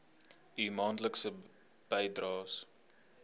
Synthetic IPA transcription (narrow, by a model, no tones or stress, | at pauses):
imɑːntləksə | b̥ɛjdrɑːs